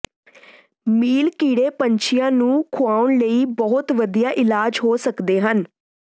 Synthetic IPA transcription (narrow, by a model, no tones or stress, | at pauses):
miːlkiːɽeːpəɲt͡ʃʰɪjãːnũːkʰʊaːʊɳləiːbɔːʊt̪ʋəd̪ijaːʔɪlaːd͡ʒɦoːsəkd̪eːɦən